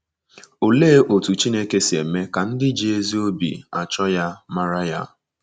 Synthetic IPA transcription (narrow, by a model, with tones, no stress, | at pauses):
o˨leː˦ʔo˨tu˨t͡ʃi˦ne˦ke˦si˨e˨me˦ka˨n̩˦dɪ˦d͡ʒi˦e˦zi˦o˦bḭ˨a˨t͡ʃɔ˦ja˦ma˦ɾa˦ja˦